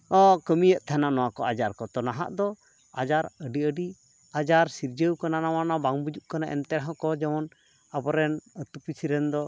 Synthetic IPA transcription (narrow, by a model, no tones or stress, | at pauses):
ɔkəmijəʔt̪ʰananɔwakɔʔad͡ʒaɾkɔt̪ɔnaɦa̰ʔd̪ɔ | ad͡ʒaɾəɖiəɖi | ad͡ʒaɾsiɾd͡ʒəwkananawanabaŋbud͡ʒuʔkanaʔɛ̰nt̪ɛɾɦɔ̃kɔd͡ʒɛmɔn | abɔɾɛnət̪upisiɾɛnd̪ɔ